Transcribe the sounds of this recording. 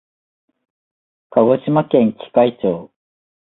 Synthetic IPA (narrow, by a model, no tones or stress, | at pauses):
kaɡo̞ɕimakẽ̞ŋkʲi̥kait͡ɕoː